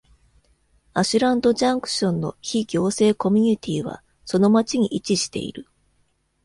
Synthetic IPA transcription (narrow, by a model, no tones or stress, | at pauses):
aɕɨɾãnd̪o̞ʑãŋkɯ̟̥ɕõ̞nːo̞̰çiɡʲo̞ːse̞ːko̞mʲiɲ̟it̪ʲʰiːβ̞a̰ | so̞no̞mat͡ɕiɲ̟iʔit͡ɕiɕi̥t̪e̞̰ḭɾɯ̟